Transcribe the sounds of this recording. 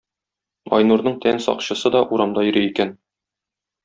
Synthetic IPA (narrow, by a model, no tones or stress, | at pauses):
ɒ̰jnuɾnɤɴt̪ʰænsɒ̰qɕɤ̆sɤd̪ɒʔuɾɑmd̪ɑjɵ̆ɾɘikæn